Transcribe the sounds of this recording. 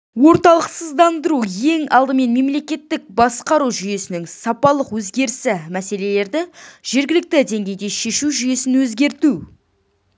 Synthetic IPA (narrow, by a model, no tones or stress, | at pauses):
wo̞ɾt̪ɑlˠəqsəzd̪ɑnd̪əɾuje̞ŋɑ̰lˠd̪əme̞nme̞mle̞kʲe̞t̪ːɪk̚bɑsqɑɾuʒʏje̞sɪnɪŋsɑpɑlˠəqwɵzɡʲe̞ɾɪsɪmæse̞le̞le̞ɾd̪ɪʒ̥e̞ɾɡʲɪlɪk̚t̪ɪd̪e̞ŋɡʲe̞jd̪e̞ʃe̞ʃuʒʏje̞sɪnwɵzɡʲe̞ɾt̪u